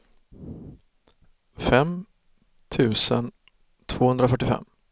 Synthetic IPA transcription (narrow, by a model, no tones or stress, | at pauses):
fɛm | t̪ʰʉ̟ːsən | t̪ʰv̥oːhɵnd̪ɾafœʈːɪfɛ̰mː